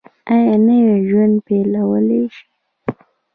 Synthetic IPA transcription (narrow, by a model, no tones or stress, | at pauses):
ajanəweʒwand̪pelawəleʃi̥